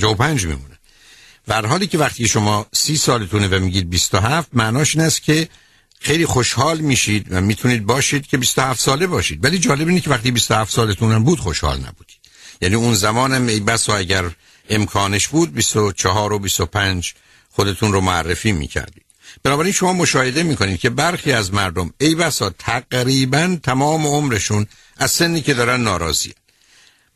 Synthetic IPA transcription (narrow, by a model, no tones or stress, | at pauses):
d͡ʒoopʰænd͡ʒmḭmṵːnæn | v̥ææɾɦɒːliːcʰe̞væχt̪iːcʰeʃo̞mɒːsiːsɒːlet̪ʰunevæmiːɟiːd̪̚bist̪oɦæft̪̚mæʔnɒːʃiːnæst̪cʲʰe̞ | xe̞jliːxo̞ʃhɒːlmiːʃiːd̪væmiːt̪ʰuniːd̪̚bɒːʃiːd̪̥cʰe̞bist̪ohæft̪sɒːle̞bɒːʃiːd̪væliːd͡ʒɒːleiːnecʰevæχt̪iːbist̪ohæft̪sɒːlet̪ʰunæmbuːd̪xo̞ʃhɒ̰ːlnæ̰buːd̪̥i̥ːd̪̥jæːniːunzæmɒːnæmejbæsɒːæɟæɾ | e̞mkʰɒːneʃbuːd̪̚bist̪ot͡ʃʰeɦɒːɾobist̪o̞pʰænd͡ʒ | xod̪e̞t̪ʰunɾomoærːefiːmḭːcʰæ̰ɾd̪ḭːd̥b̥enɒːbæɾinʃo̞mɒːmo̞ʃɒːhe̞d̪e̞miːkʰo̞niːd̪̚cʰe̞bæɾxiːæzmæɾd̪o̞me̞jbæsɒːt̪ʰæɡɾiːbænt̪ʰæmɒːme̞o̞mɾeʃun | æzse̞nːiːcʰe̞d̪ɒːɾænːɒːɾɒːzḭːæn